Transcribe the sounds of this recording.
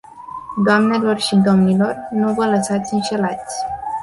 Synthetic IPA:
d̪oamne̞lo̞rʃid̪o̞mnilo̞rnuvələsat̪sʲɨnʃe̞lat̪sʲ

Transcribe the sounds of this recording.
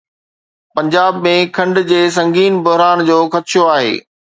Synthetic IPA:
pɐ̃ɲd͡ʑaːbmẽkʰɐ̃ɳɖd͡ʑeːs̬ɐ̃ŋɡiːnbʊɦɾaːnd͡ʑoːxɐt̪ɪʃjoaːɦḛː

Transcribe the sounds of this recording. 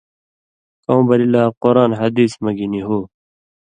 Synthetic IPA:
kõːbɐɾilaːqoɾaːnɦɐd̪iːsmɐɡiniɦoː

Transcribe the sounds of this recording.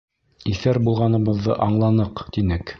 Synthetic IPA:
iθæɾbulˠʁɑnɤ̆βɤ̆ðːɤ̰ʔɑɴlˠɑnɤqt̪inɘk

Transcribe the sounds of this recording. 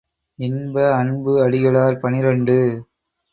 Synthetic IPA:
ɪnbɐɐnbɯɐɽɪɣɐɭaːɾpɐnɪɾɐɳɖɯ

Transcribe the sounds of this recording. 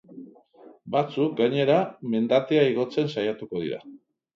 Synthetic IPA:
bat͡suk̚ɡaɲe̞ɾame̞nd̪at̪e̞aiɣ̞o̞t͡se̞nsajat̪uko̞ð̞ḭɾa̰

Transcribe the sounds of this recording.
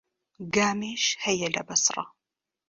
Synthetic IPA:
ɡaːmeːʃhɐjɐɮɐ̰bɐsrˤɑ̰

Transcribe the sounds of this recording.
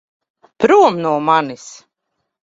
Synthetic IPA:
pɾuɔmnuɔmanis

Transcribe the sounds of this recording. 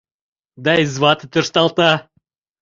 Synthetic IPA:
d̪ɑizvɑt̪t̪ørst̪ɑlˠt̪ɑ

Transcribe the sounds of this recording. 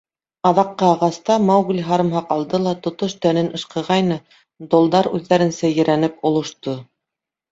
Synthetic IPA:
ɑðɑqːɤɑʁɑst̪ɑmowɡlʲɦɑɾɤ̆mɦɑqɑlˠd̪ɤlˠɑt̪ŏt̪oʃt̪ænɘnɤ̆ʃqɤ̆ʁɑjnɤ | d̪olˠd̪ɑɾʉðːæɾɘ̆nsæjɘ̆ɾænɘpŏlˠŏʃt̪o

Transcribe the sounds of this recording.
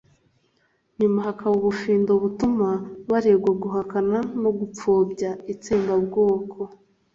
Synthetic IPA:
nimuɦakʰawuβufiːndoβutumaβaɾeːɡwaɡuɦakananoɡup͡foːbɟait͡siːmbabɡo̞ːkʰo̞

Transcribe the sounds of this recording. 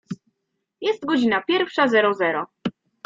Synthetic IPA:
jɛst̪ɡɔd͡ʑinapʲjɛɾfʂazɛɾɔzɛɾɔ

